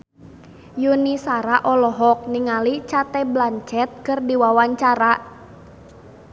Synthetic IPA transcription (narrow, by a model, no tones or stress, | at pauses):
junisaɾaʔɔlɔɦɔk̚niŋalit͡ʃat̪ɛblaɲt͡ʃɛt̪̚kɨrdiwawaɲt͡ʃaɾa